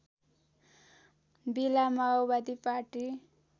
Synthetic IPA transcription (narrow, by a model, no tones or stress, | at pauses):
bilamaabad̪ipaʈi